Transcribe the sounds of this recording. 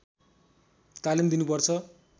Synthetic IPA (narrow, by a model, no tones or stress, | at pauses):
k̪alimd̪inupʌrt͡sʰʌ